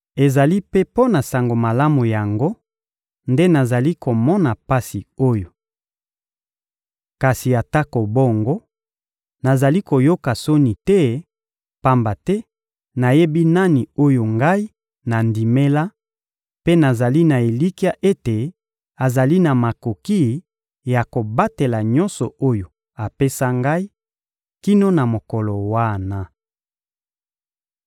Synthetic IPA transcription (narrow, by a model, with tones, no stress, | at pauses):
e˨za˨li˦pe˦po˦na˨sa˨ŋɡo˨ma˨la˦mu˨ja˨ŋɡo˦ | nde˦na˨za˨li˦ko˨mɔ˦na˨pa˦si˨o˦jo˨ | ka˨si˨a˨ta˦ko˨bo˦ŋɡo˦ | na˨za˨li˦ko˨jo˦ka˨so˦ni˨tɛ˦ | pa˦mba˨tɛ˦ | na˨je˦bi˦na˦ni˨o˦jo˨ŋɡa˦i˦ | na˨ndi˨me˦la˦ | pe˦na˨za˨li˦na˨e˨li˦ki˦a˦ʔe˦te˨ | a˨za˨li˦na˨ma˨ko˨ki˦ | ja˨ko˨ba˦te˨la˨ɲɔ˦nsɔ˨o˦jo˨ | a˨pe˦sa˦ŋɡa˦i˦ | ki˦no˦na˨mo˨kɔ˨lɔ˨wa˦na˦